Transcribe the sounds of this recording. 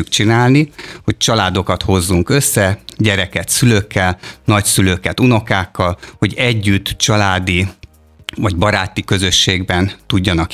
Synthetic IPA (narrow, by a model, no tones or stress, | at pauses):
ukt͡ʃinaːlniho̞c̚t͡ʃɒlaːd̪o̞kɒt̪ho̞zːuŋkø̞sːɛɟɛɾɛkɛt̪syløːkʰːɛlnɒcsyløːkɛt̪uno̞kaːkːɒlho̞ɟɛɟːyt̪ːt͡ʃɒlaːd̪i | vɒɟbɒɾaːt̪ikø̞zø̞ʃːeːɡbɛnt̪uɟːɒnɒk